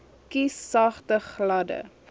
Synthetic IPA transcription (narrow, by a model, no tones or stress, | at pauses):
kisːɐχtəχlɐdə̰